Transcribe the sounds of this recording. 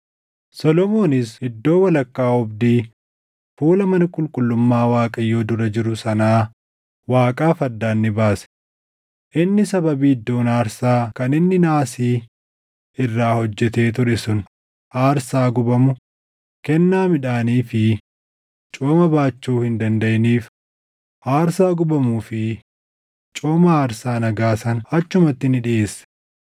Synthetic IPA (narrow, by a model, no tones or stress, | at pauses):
sɔlɔmo̞ːnɪsɪd̪ːo̞ːwɐlɐkːaːɔbd̪iː | fuːlɐmɐnɐkʼʊlkʼʊlːʊmːaːwaːkʼɐjːoːd̪ʊɾɐd͡ʒɪɾʊsɐnaː | waːkʼaːfɐd̪ːaːnːɪbaːsɛ̥ | ʔɪnːɪsɐbɐbiːd̪ːoːnaːɾsaːkɐnɪnːɪnaːsiː | ʔɪrːaːhɔd͡ʒːɛt̪e̞ːt̪̬ʊɾɛsʊn | ʔaːɾsaːɡʊbɐmʊ | kɛnːaːmɪᶑaːniːfɪ | t͡ʃʼoːmɐbaːt͡ʃːuːhɪnd̪ɐnd̪ɐjniːf | ʔaːɾsaːɡʊbɐmuːfɪ | t͡ʃʼoːmɐaːɾsaːnɐɡaːsɐnɐt͡ʃːʊmɐt̪ːɪnɪᶑɪʔeːsːɛ̥